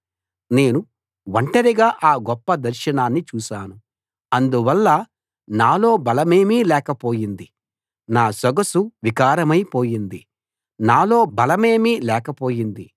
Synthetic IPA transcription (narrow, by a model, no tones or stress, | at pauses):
ne̞ːnu | ʋɐɳʈɐɾiɡaːʔaːɡɔpːɐd̪ɐɾʃɐnaːnːit͡ʃuːʃaːnu | ɐnd̪uʋɐlːɐ | naːlo̞ːbɐlɐmeːmiːlɛːkɐpo̞ːjind̪i | naːsɐɡɐsuʋikaːɾɐmɐjpo̞ːjind̪i | naːlo̞ːbɐlɐme̞ːmiːlɛːkɐpo̞ːjind̪i